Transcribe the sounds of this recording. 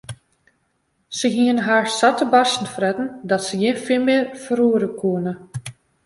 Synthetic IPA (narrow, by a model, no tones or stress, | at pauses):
səɦiənɦaːɹsatəbasn̩frɛtn̩dɔtsəjɪnfilˠmɪːərfəɾuəɾəkʰuənə